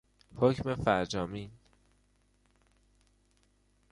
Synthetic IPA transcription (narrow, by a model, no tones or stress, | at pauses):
hocme̞fæɾd͡ʒɒːmin